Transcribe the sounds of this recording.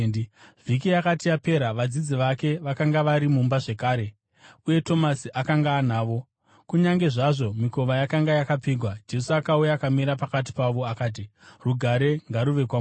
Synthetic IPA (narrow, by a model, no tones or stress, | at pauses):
vikijakatijape̞ɾaʋad͡zid͡ziʋake̞ʋakaŋɡaʋaɾimumbaʐekaːɾe̞ | uje̞to̞masiʔakaŋɡaːnaːʋo̞ | kuɲaŋɡe̞ʐaʐo̞miko̞ʋajakaŋɡajakap͡fiːɡʱwad͡ʒe̞suakaujaːkamiɾapakat̬i̥paʋo̞akaːt̬iruɡʱaɾe̞ŋɡaɾuʋe̞kwam